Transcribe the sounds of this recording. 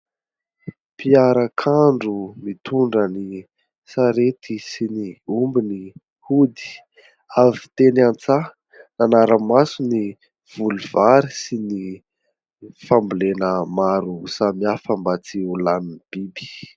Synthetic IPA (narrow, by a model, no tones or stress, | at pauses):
piaɾəkʰaɳɖ͡ʐumit̪uɳɖ͡ʐəni | saɾet̪ʰisiniumbini | hud̪i̥ | avit̪enant͡sa | nanaɾəmasuni | v̥uluv̥aɾisini | fambulenəmaɾusamiafəmbat͡siulanib̥ibi̥